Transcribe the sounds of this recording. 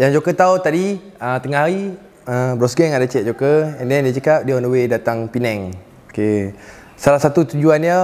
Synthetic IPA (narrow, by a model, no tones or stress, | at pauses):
jaŋd͡ʒokət̪aut̪adi | ət̪əŋaɦaɾi | əbɾɔsɡɛŋadət͡ʃɛʔ̪̚d͡ʒokəɛndɛndiət͡ʃakap̚diəɔ̃ndəwedat̪aŋpinɛŋ | oke | salahsat̪ut̪ud͡ʒuanjə